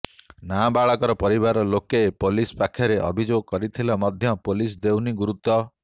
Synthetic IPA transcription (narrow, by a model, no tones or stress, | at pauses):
nabaɭɔkɔɾɔpɔɾibaɾɔlokepolispakʰːjɔɾeʔɔ̰bʱid͡ʒoɡ̚kɔɾit̪ʰilɔmɔd̪ʱjɔpolisd̪ewniɡuɾut̪ːɔ